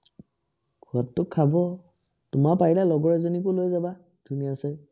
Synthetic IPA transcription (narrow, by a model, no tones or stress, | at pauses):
ɡuatːʊkʰːabɔ | tʊmapailalɔɡɔɹɛzonikʊlojzaba | d̥ʱunijasɛ